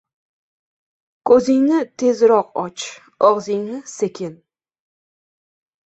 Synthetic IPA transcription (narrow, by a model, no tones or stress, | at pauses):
kʰɵzɪŋnɪt̪ʰe̞zɾɒqɒt͡ʃ | ɒʁzɪŋnɪsekʲʰɪn